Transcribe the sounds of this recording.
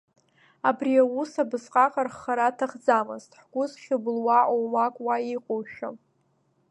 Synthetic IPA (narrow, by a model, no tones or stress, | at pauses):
abriawusabɨzqʼaqʼarχaɾatʰaχd͡zamɨztʼħɡ̥ʷʊzχʲʊbɨlwaʔowmakʷʼwaiqʼowʃa